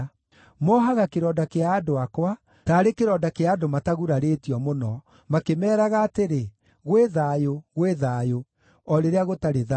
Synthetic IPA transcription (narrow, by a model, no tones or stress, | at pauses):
mɔɦaɣakeɾɔːdakeaːdoakwa | taːɾekeɾɔːdakeaːdomataɣuɾaɾetiɔmonɔ | makemɛːɾaɣaːteɾe | ɣweðaːjoɣweðaːjo | ɔɾeɾeaɣotaɾeða